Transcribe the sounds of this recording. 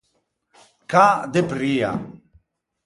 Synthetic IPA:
kaːd̪epɾija̰

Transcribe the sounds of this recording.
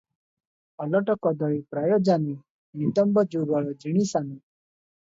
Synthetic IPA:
ɔlɔʈɔkɔd̪ɔɭipɾajɔd͡ʒani | nit̪əmbəd͡ʒubaɭɔd͡ʒiɽ̃isani

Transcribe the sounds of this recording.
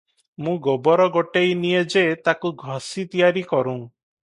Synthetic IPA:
mũɡɔbɔɾɔɡoʈejnijed͡ʒet̪akuɡʱɔsit̪ijaɾikɔɾũŋ

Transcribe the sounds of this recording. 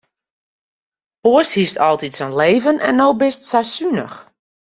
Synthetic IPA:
poəshistɔlˠtitsonleːvənʔɛ̰nːowbɪstsasynəx

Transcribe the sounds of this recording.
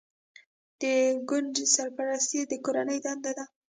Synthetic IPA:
d̪̥əɡʊnɖsaɾpaɾast̪id̪əkoɾanəjd̪and̪ad̪a

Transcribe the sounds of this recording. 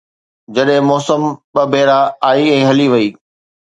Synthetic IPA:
d͡ʑɐɗɦɪ̃mɔːsəmɓɐbʱɛːɾaaːiɛ̃ːɦɐliʋɐiː

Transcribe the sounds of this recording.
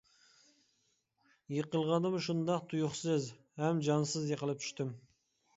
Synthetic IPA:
jəqəlˠʁɑnəmʃʊnd̪ɑqt̪ʰʊjʊχsəzhæmd͡ʒɑnsəzjəqəlˠəp̚t̪ʰʏ̥ʃt̪ɪm

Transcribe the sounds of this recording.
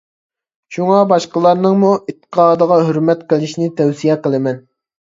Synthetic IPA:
ʃuŋɑbɑʃqəlˠɑɾnɨŋmuʔit̪ʰːə̥qʰɑːd̪əʁɑɦøɾmɛt̪qʰəlˠɪʃnɪt̪ʰɛwsijɛqəlˠɨmɛn

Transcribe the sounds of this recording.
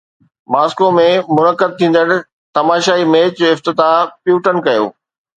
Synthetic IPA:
maːskomẽmʊnəkːəd̪̚t̪ʰĩːn̆d̪əɽ | t̪ɐmaːʃaːimẽːt͡ɕoːɪft̪ɪt̪apjuːʈənkɐjo̰ː

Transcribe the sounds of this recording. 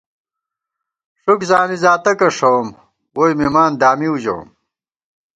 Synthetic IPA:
ʂukzaːnizaːt̪ɐkɐʂɐwm | woːjmimaːnd̪aːmiuʑɐ̰w̰ːm

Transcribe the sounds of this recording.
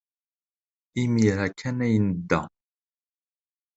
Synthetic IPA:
imiɾækʰːænæjənəd̪ːæ̰

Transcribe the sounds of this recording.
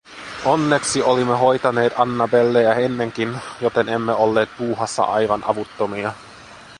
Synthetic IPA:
o̞nːe̞ksiolimːeɦo̞jt̪ɑne̞ːt̪ɑnːɑbelːejæenːe̞ŋk̟injot̪e̞ne̞mːeo̞lːe̞ːt̪̚puːɦɑsːɑ̰ʔɑjʋɑnʔɑʋut̪ːomiɑ

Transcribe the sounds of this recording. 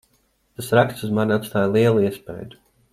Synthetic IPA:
t̪asɾakst̪suzmaɾnat̪st̪aːjlˠiɛlˠuiɛspɛ̰jd̪u̥

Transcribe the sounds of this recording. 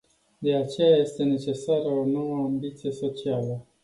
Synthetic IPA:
d̪e̞at͡ʃe̞jaje̞st̪e̞ne̞t͡ʃe̞saɾəono̞wəambit̪sije̞so̞t͡ʃialə

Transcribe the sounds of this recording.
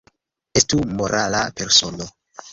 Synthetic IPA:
estumo̞ɾʔalape̞ɾso̞no

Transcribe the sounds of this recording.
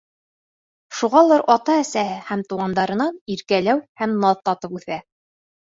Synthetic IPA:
ʃuʁɑlˠɑɾʔɑt̪ɑæsæhɘhæmt̪uʁɑnd̪ɑɾɤ̆nɑniɾkælæwhæmnɑðt̪ɑt̪ɤpʉθæ

